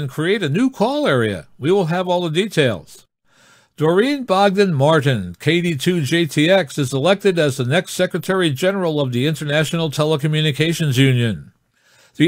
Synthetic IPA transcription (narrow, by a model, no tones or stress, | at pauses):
nkʰɹ̥ieɪɾɨnʉkʰɔlˠɛɹiɨ̰wiwəlˠəvɔlˠðəditʰeɪlˠz̥ | d̥ə˞ĩnbɑɡ̚dɨ̃nmɑɹʔn̩kʰeɪɾitʰʉd͡ʒeɪtʰiɛksɨzəlɛk̚tɨɾɨzðənɛkstsɛkɹɨtʰɛɹid͡ʒɛnə˞l̩ˠʌvðiɪ̃ntə˞næʃn̩l̩ˠtʰɛlˠəkmjʉnɨkʰeɪʃɨ̃nzjʉ̃njɨ̃n | ði